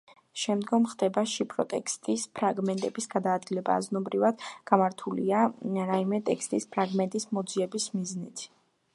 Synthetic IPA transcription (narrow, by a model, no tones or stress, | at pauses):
ʃɛmd̪ɡɔmχd̪ɛbaʃipʰɾɔ̰t̪ʼɛkʰst̪ʼispʰɾaɡmɛnt̪ʼɛbisɡad̪aːd̪̚ɡilɛba̰ːznɔbɾivad̪̥ɡ̥amaɾt̪ʰulḭaɾaimɛt̪ʼɛkst̪ʼispʰɾaɡmɛnt̪ʼismɔd̪ziɛbismiznit̪ʰ